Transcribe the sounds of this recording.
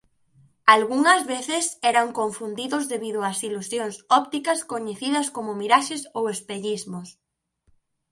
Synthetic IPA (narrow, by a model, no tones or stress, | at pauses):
alɣuŋɐzβeθɪsɛɾɐŋkoɱfund̪iðʊzðeβiðʊɐsilusjoŋsɔp̚t̪ikɐskoɲeθiðɐskomʊmiɾaʃesowespeʎizmʊs